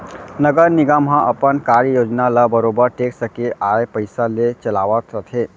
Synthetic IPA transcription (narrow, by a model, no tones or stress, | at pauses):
nəɡəɾniɡəmɦãʔəpənkaɾjod͡ʒnalabəɾobəɾʈeksəkeʔaepəɪsalet͡ʃəlaʋət̪ɾət̪ʰɦe